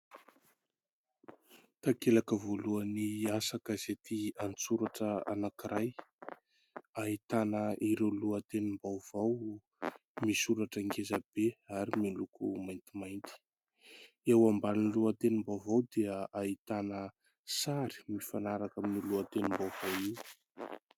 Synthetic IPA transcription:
t̪akelakəvoluəniasakazet̪iant͡suɾaʈ͡ʂəa̰nakiɾaj | ait̪anəʔiɾewluət̪enimbawv̥aw | misuɾaʈ͡ʂəŋkezab̥eaɾimilukumajnt̪imajnt̪i̥ | ewambannluat̪enimbawvawd̪eəait̪anə | saɾi̥mifanaɾakaminiluat̪enimbawvawiw

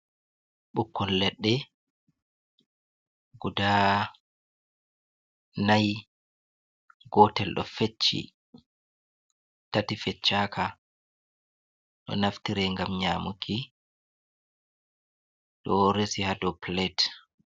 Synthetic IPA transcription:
ɓukːɔlːɛɗːɛ | ɡ̥uda | naj | ɡɔtɛlɗɔ̰fet͡ʃːḭ | tatifɛt͡ʃːaːkʰa | ɗɔ̰naftiɾɛŋɡamɲamukʰi | ɗɔɾesihadɔplɛt

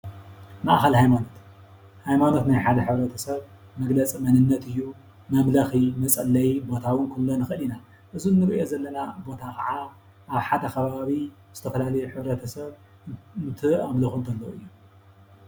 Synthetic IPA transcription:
maʔxɐlhajmano̞t̪ | hajmano̞t̪najħad̪ɐħɨβɾɐt̪ʰɐsɐβ | mɐɡlɐt͡sʼimɐnɨnːɐt̪ɨjːu | mɐmlɐximɐt͡sʼɐlːɐjbo̞t̪ʰawɨnkʰulːonɨxɨʔɨlina | ʔɨzunːɨɾʔo̞zɐlːɐnabo̞t̪ʰakʰɐʕa | ʔaβħad̪ɐkʰɐβaβi | z̥ɨt̪ʰɐfɐlalɐjuħɨβɾɐt̪ʰɐsɐβ | nt̪ʰɨamlɐxunt̪ʰɐlːoɨjːu

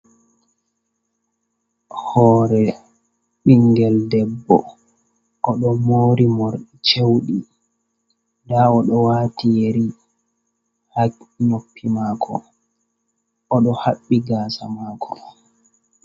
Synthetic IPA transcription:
hɔːɾɛ | ɓiŋɡɛldɛbːɔ̰ | ʔɔɗɔmoːɾimoɾɗit͡ʃewɗi | daɔɗɔwaːtijeɾi | haɲopːimaːkʰɔ̰ | ɔɗɔhaɓːiɡaːsa̰makʰɔ

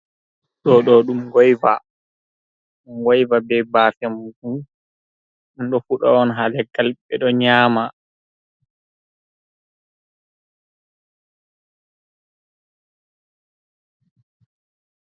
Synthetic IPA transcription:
ɗɔɗɔɗumɡɔjva̰ | unwajvabɛbaːfɛmfu | unɗɔfuɗɔ̰ɔnɦalɛɡalɓɛɗɔɲaːma

